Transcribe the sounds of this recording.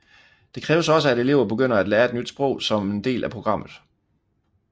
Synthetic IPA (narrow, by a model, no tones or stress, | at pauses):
d̥e̝kʰʁɛːʊəsɒ̽səæɾe̝le̝ʊ̰ɐb̥e̝ɡ̥øn̰ɐæd̥lɛːɐed̥nyd̥sb̥ʁɔ̽ʊ̰sɒ̽me̝nd̥e̝̰ːlʔæpʰʁo̝ɡ̥ʁɑ̈m̰ð̩ˠ